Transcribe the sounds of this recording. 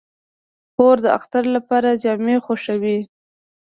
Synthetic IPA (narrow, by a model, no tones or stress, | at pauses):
xoɾd̪əa̰xt̪aɾlapɑɾad͡ʒɑmexoʃawi